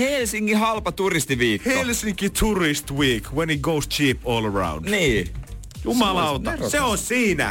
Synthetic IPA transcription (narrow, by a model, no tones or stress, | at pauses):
helsiŋkihɑlpɑt̪urist̪iʋiːkheolsiŋkit̪ʰurist̪wiːkwɛ̃nhiɡoːst͡ʃʰiːpoːləɹã̰ʊwndniː | jumɑlɑot̪ɑseonsiːnæ̰